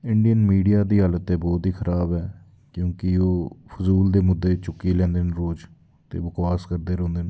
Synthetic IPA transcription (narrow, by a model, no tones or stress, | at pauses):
ɪɳɖijənmiːɖijaːd̪iːɦaːlət̪ɛːbɔːt̪ɦiːxʰəɾʔaːbɦɛː | kjõːkɪoːpʰʊzuːld̪eːmʊd̪ːeːt͡ʃʊkːiːlɛ̃ːnd̪eːnɾoːd͡ʒ | t̪ḛːbəkwaːskəɾd̪eːɾõːnd̪eːn